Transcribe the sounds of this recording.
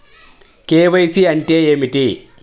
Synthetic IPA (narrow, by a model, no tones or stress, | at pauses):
keːʋɐjsiɐnʈeːeːmiʈi